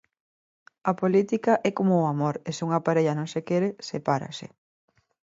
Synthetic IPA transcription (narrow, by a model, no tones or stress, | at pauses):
ɐpolit̪ikɐʔɛkomʊːamoɾesuŋɐpaɾeʎɐnõŋsekɛɾesepaɾɐ̰sḛ